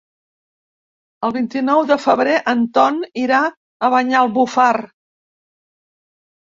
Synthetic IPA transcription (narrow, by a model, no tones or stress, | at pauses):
əlˠβint̪inɔwðəfəβɾeʔənt̪ɔniɾa | əβəɲaəlˠβufar